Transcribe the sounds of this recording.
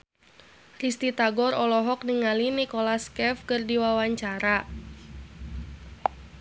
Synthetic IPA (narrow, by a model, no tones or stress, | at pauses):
rist̪it̪aɡɔɾɔlɔɦɔk̚niŋalinikɔlaskɛfkərdiwawaɲt͡ʃaɾa